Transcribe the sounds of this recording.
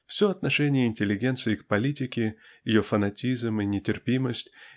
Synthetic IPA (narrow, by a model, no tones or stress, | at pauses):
fsʲo̞ɐt̪nɐʂɛnʲɪjəɪnʲtʲɪlʲːɪɡʲe̞nt̪sɨɪkpɐlʲitʲɪkʲɪjɪjo̞fənɐtʲizmɨnʲɪtʲɪrpʲiməsʲtʲ